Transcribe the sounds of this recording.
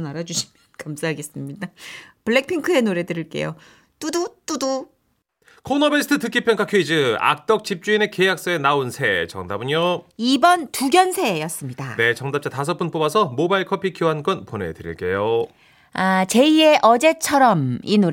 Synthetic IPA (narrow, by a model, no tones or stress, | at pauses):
naɾad͡ʑuɕʰi̥mjnkamsʰaɦaɡe̞s͈ɯmɲidapɯɭːek̚pʰiŋkʰɯe̞noɾe̞dɯɾiɭk͈e̞̰jo̰ | t͈udot͈udo | kʰonʌbesʰɯ̥tʰɯtɯk͈ʰipʰjʌŋkʰakʰoid͡ʑɯa̰k̚t͈ʌk̚t͡ɕip̚t͡ɕ͈uine̞ke̞jak̚s͈ʌenaonsʰe̞t͡ɕʌ̰ŋdabɯɲoibʌntuɡjʌnsʰe̞jʌs͈ɯmɲida̰ne̞t͡ɕʌŋdap̚t͡ɕ͈atas̬ʰʌp͈unp͈obasʰʌmobaiɭkʰʌpʰikʰjoɦank͈ʌnpone̞̰dɯɾḭɭk͈e̞jo | at͡ɕe̞ie̞ʔʌd͡ʑe̞t͡ɕʰʌɾʌminoɾ